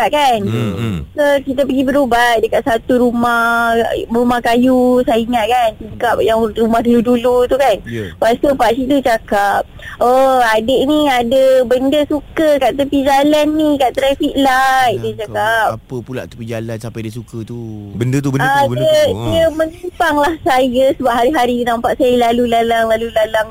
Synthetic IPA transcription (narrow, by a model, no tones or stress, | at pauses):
aʔ̚kansəkit̪əpəɡibəɾubat̪̚dəkaʔ̪̚sat̪uɾumah | rumahkajusaiŋaʔ̪̚kant̪ikap̚jaŋrumahduludulut̪ukanpasəpaʔsit̪ut͡ʃakap̚oadəʔniadəbəndəsukəkaʔt̪̬əpid͡ʒalanːĩkaʔt̪ɾafiʔladət͡ʃakapəpula̰ʔt̪ə̥pid͡ʒalansapadiəsukət̪ubəndət̪ubəaədiəmə̃ɲimpaŋlahsajəsəbap̚ɦaɾiɦaɾiənampaʔsajəlalulalaŋlalulalaŋ